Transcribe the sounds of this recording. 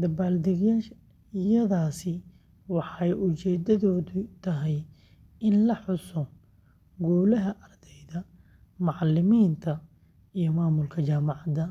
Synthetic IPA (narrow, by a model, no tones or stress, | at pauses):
d̪ɐbaːld̪ɛɣjaːʃ | ɪjɐðaːsɪ | wɑħɑɛjʔʊt͡ʃɛːd̪ɐðɔːðʊt̪ʰɐɦɛj | ɪnlɐħʊsɔ | ɡuːlɐɦɐʔɐrd̪̥ɛjðɐ | mɑʕɑlɪmiːnt̪ʰɐ | ijɔmaːmʊlkʰɐt͡ʃaːmɑʕɑd̪ɐ